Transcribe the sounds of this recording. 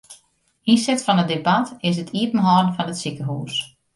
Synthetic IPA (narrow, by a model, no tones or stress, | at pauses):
insɪktfɔnədebatɪs̬ətʰiətn̩ɦɔːdn̩fɔnətsikəɦuːs